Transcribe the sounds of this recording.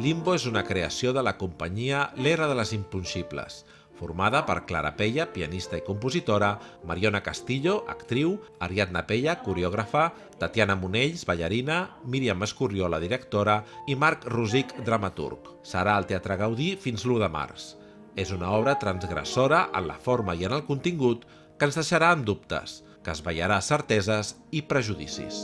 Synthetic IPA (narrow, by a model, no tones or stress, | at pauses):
limboezunəkɾeəsioðələkumpəɲiəleɣɾəðələzimpunʃiplə̰s | fuɾmað̞əpə̰ɾkla̰ɾa̰peʎəpiənist̪əikumpuzit̪oɾəmaɾionəkast̪iʎoʔə̰kt̪ɾiwəɾiat̪̚napeʎəkuɾeɔɣ̞ɾafə | t̪ət̪ianəmuneʎzβəʎəɾinəmiɾiamːəskurjioləðiɾəkt̪oɾəimaɾkruzikd̪ɾəmat̪ṵɾk | sə̰ɾaəlˠt̪eat̪ɾəɣəwðifinzluðəma̰rs | ezunaɔβ̞ɾət̪ɾənzɣɾə̰soɾəʔə̰nlə̰foɾməiənəlˠkunt̪iŋɡut̪ | kənzðəʃəɾaəmd̪up̚t̪ə̰s | kəzβəjə̰ɾasəɾt̪ɛzəz | ipɾəʒuðḭsḭs